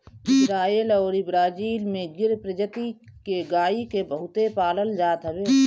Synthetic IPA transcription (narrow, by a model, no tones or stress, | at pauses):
ɪsɾaːeːlɔːɾɪbɾaːd͡ʒiːlmẽɡɪɾpɾəd͡ʒət̪ikeɡaːikebəɦʊt̪epaːləld͡ʒaːt̪ɦəbeː